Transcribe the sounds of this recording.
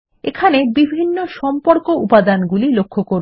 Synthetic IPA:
ekʰanebibʱinːoʃɔmpoɾkoʔupad̪anɡulilokʰːokoɾ

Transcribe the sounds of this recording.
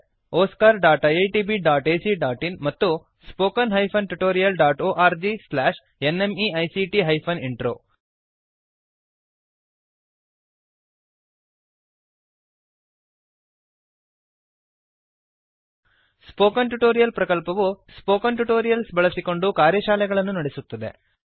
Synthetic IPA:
oːskaːɾɖaːʈɐjɐjʈiːbiɖaːʈeːsiɖaːʈinmɐt̪ːu | spoːkɐnɦɐjpʰɐnʈuʈoːɾijɐlɖaːʈoːʔaːɾd͡ʒislaːʃ | enemiɐjsiʈiɦɐjpʰɐniɳʈɾo̰ː | spoːkɐnʈuʈo̞ːɾijɐlpɾɐkɐlpɐʋuspoːkɐnʈuʈo̞ːɾijɐlsbɐɭɐsiko̞ɳɖukaːɾjɐʃaːlɛɡɐɭɐnːunɐɽesut̪ːɐd̪e̞̰

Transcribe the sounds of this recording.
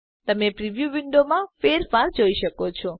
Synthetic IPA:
t̪əmepɾiʋjuʋɪɳɖomãfeɾfaɾd͡ʒoiʃəkot͡ʃʰɔ

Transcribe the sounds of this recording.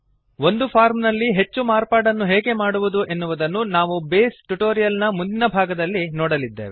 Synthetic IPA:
ʋo̞nd̪upʰaːɾmnɐlːiɦet͡ʃːumaːɾpaːɽɐnːuɦeːɡe̞maːɽuʋud̪uʔe̞nːuʋud̪ɐnːunaːʋubeːsʈuʈo̞ːɾijɐlnɐmund̪inɐbʱaːɡɐd̪ɐlːinɔːɽɐlid̪ːḛːʋe

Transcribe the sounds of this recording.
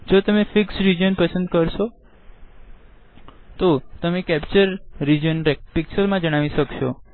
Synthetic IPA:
d͡ʒot̪əmefɪksɾid͡ʒənpəsənd̪̚kəɾʃo | t̪ot̪əmekɛpt͡ʃəɾːid͡ʒənɾepɪkt͡ʃəɾmãd͡ʒəɽ̃aʋiʃəkʃo

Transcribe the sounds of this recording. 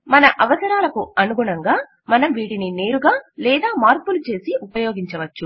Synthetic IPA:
mɐnɐʔɐʋɐsɐɾaːlɐkuɐnuɡuɳɐŋɡaː | mɐnɐmʋiːʈinine̞ːɾuɡaːlɛːd̪aːmaːɾpulut͡ʃe̞ːsiupɐjo̞ːɡiɲt͡ʃɐʋɐt͡ʃːu

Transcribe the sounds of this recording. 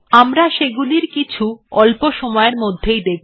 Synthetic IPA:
amɾaʃeɡuliɾkit͡ɕʰuɔlpoʃɔmɔeeɾmod̪ʱːejd̪ek̚ʰ

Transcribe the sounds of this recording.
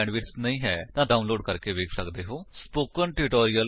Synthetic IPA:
ɛːɳɖʋɪɾsnəĩːɦɛːt̪ãːɖaːunloːɖ̚kəɾkeːʋeːkʰsəkd̪eːɦoːspoːkənʈɪʈoːɾijəl

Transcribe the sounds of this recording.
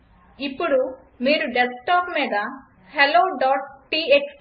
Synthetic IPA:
ipuɽu | miːɾuɖesʈɔpmɛd̪a | heloɖɔʈʈiet͡ʃ

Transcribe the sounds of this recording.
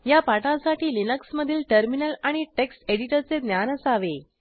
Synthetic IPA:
japaʈãsaʈiːlinəksməd̪ʱiːlʈəɾminəlaɽ̃iʈekseɽiʈəɾt͡sed̪njanəsaʋe

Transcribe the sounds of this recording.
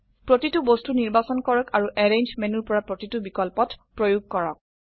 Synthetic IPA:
pɹotitubostuniɹbasɔnkɔɹɔkaɹuʔɛɹend͡ʒmenuɹpɔɹapɹotitubikɔlpɔtpɹojuɡ̚kɔɹɔk̚

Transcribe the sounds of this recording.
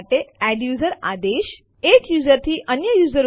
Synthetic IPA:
ʈeɛɖjuːzəɾa̰d̪eʃ | ekjuzəɾt̪ʰiʔənjəjuːzəɾ

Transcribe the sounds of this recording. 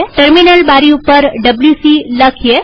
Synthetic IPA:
ʈəɾminəlbaɾiupəɾɖəbljusiləkʰje

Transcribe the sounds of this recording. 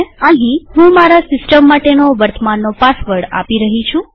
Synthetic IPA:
ãɦiɦũmaɾasɪsʈəmːaʈenoʋəɾt̪əmanːopasʋəɽa̰piɾəɦit͡ʃʰũ

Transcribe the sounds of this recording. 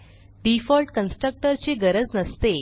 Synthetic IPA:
ɖifɔlʈkənsʈɾək̚ʈəɾt͡seɡəɾəd͡znəst̪e

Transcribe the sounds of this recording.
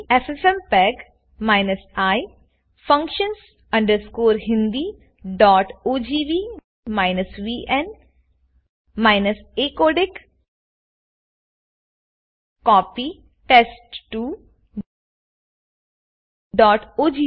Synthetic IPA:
ɛsɛsɛmpɛːɡ | maːɪnəsaː | fɐ̃ŋkʃəns | ɐ̃ɳɖəɾskoːɾɦɪ̃nd̪i | ɖɔːʈoːd͡ʒiːʋiː | maːɪnəsʋiʔɛ̃n | maɪnəseːkoːɖɪk | kɔːpi | ʈesʈːuː | ɖɔːʈoːd͡ʒi

